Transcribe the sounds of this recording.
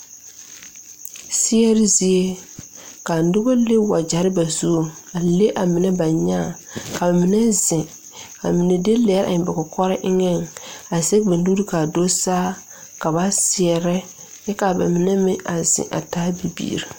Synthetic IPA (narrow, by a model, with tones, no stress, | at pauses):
sɪ˦ɛ˦ɾɪ˦zi˦e˦ | ka˨n˦dʊ˦ba˦le˦wa˨d͡ʒa˨ɾɪ˦ba˨zoː˦˨a˨le˦ʔa˨mɪ˨nɛ˦ba˨ɲaː˦˨ | ka˨ba˨mi˨nɛ˦zɪ̃˨ | ka˨mɪ˨nɛ˨de˦lɛ˨˦ɾa̰˨ɲɪ˨ba˨kɔ˨kɔ˦ɾɪ˦ʔɪ˦ŋɛ˦˨ŋa˨ze˦bɪ˨n˦du˦i˦ka˨do˦saː˦ | ka˨ba˦sɪ˨ɛ˨ɾɛ˦ | jɛ˦ka˨ba̰˨mɪ˨nɛ˦mɪ˦ʔa˨z̥ɪ̰̃˨ʔa̰˨taː˦bi˨bḭ˦˨ɾi˨